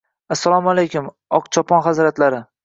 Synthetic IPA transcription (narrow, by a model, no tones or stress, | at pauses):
asːalˠɒmalejkʲʊm | ɒqt͡ʃʰɒpʰɒnχazɾat̪laɾɪ